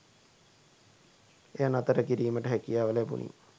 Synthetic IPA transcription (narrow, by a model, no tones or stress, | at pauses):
ejanat̪əʈəkiɾiːməʈəɦækijaːʋəlepṵnʔḭ